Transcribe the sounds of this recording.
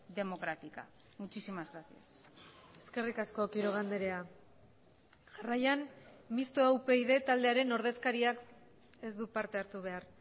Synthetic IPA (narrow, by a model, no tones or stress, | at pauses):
d̪e̞mo̞kɾat̪ika̰ | mut͡ʃisimazɣɾasias | e̞ske̞rikasko̞kiɾo̞ɣ̞and̪eɾea | ʝarajanmist̪oawpe̞iðe̞t̪ald̪eaɾe̞no̞ɾð̞e̞skaɾiak | e̞zd̪upaɾt̪e̞aɾt̪uβ̞e̞aɾ